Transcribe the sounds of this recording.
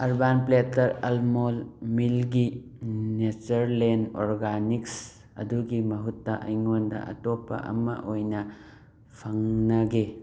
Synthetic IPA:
ɐɾbanpletɐɾɐlmolmilɡinet͡ʃɐɾlenoɾɡaniks | ɐ̰duɡimɐɦutːɐʔɐ̰jŋondɐ̰ʔɐ̰topːɐ̰ʔɐ̰mɐ̰ʔojnɐ | pʰɐŋnɐɡe

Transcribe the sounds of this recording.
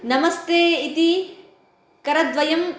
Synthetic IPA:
nɐmɐst̪eːit̪i | kɐɾɐd̪ʋɐjɐm

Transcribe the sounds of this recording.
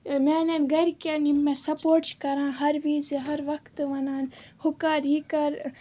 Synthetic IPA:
meːnɐnɡɐɾkanimːẽsɐpoːɾʈt͡ʃkɐɾãːɦɐɾʋiːzɦɐɾʋɐkt̪ʋɐnaːnhʊkaːɾiːkɐɾ

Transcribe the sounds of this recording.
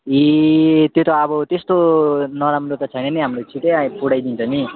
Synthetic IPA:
it̪jot̪ʌːbʌt̪est̪onʌɾamɾot̪ʌt͡sʰʌjnenʌɦamrot͡sʰiʈepuɽajd̪int͡sʰʌni

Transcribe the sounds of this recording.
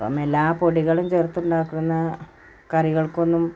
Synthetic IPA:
po̰ːme̞lːaːpo̞ɽiɣɐɭumt͡ɕert̪ːuɳɖaːkːiɽunːɐ | kɐriɣɐɭko̞nːum

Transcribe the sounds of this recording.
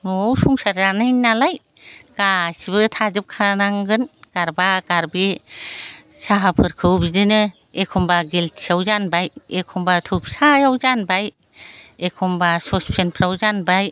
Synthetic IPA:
mowsuŋsaɾanɯjnalaj | ɡ̥asibɯtʰazɯp̚kʰanaŋɡɯnɡ̥aɾbaɡaɾbe | saɦapʰɯɾkʰɯwbidɯnɯ | ekʰɔmbaɡelt̚sʰiawzanbajekʰɔmbatʰup̚sajawzanbaj | ekʰɔmbasɔspʰenpʰɾawzanbaj

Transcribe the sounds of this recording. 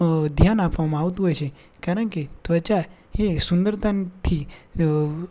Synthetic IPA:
d̪ʱjanapʋamãaʋt̪ũɦojt͡ʃʰe | kaɾəɳket̪ʋət͡ʃa | esund̪əɾd̪ant̪ʰi

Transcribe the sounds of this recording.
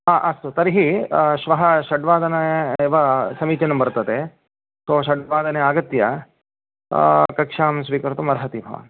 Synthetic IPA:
ɦaːʔɐst̪ut̪ɐɾiɦiʃʋɐɦɐʃɐɖʋaːd̪ɐnɐeʋɐsɐmiːt͡ʃɐnɐmbɐɾt̪ɐd̪e | soːʃɐɖʋaːd̪ɐneaːɡɐt̪jɐ̰ | kɐkʂaːmsʋiːkɐɾt̪umɐɾɐɦɐt̪ibʱɐʋa̰n

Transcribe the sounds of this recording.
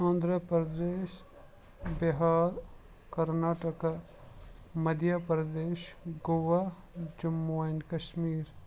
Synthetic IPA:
ɔ̃ːnd̪ɾəpɾɐd̪eːʃ | beɦaːɾ | kɐɾnaːʈəka | mɐd̪ʱjapɾɐd̪eːʃɡoʋa | d͡ʒɐmːunkɐʃmiːɾ

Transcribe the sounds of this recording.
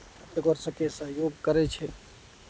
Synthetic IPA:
ət̪əɡəɾsə̃kesəɦjoɡkəɾɛt͡ʃʰɛ

